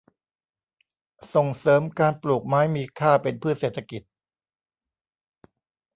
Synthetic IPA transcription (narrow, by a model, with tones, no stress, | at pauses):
so˨˩ŋsɤː˩˦mkaː˧npluː˨˩k̚maː˦˥jmiː˧kʰaː˥˩pe˧npʰɯː˥˩t̪̚seː˨˩t̪ʰːa˧ki˨˩t̪̚